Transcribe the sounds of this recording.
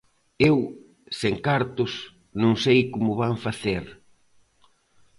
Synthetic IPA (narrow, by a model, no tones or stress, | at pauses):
ew | seŋkaɾt̪ʊs | nõŋsejkomʊβaŋfaθeɾ